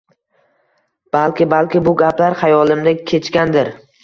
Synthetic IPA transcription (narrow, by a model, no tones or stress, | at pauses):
b̥alkʲɪbalkʲɪbʊɡʲaplaɾχɑjɒlˠɪmd̪ɪkʲʰe̞t͡ʃkʲand̪ɪɾ